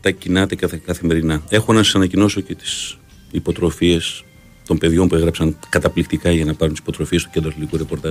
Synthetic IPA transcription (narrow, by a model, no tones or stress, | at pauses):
t̪ɐcinɐt̪e̞kɐt̪ɐkɐθime̞ɾinɐe̞xonɐsɐsɐnɐcino̞so̞ce̞t̪i̥s | ipo̞t̪ɾo̞fie̞s | t̪o̞mbe̞ðʝo̞mpue̞ɣɾɐpsɐŋkɐt̪ɐplikt̪ikɐʝɐnɐpɐɾunt̪isi̥po̞t̪ɾo̞fie̞st̪u̥cend̪ɾɐθlit̪ikuɾe̞po̞ɾt̪ɐs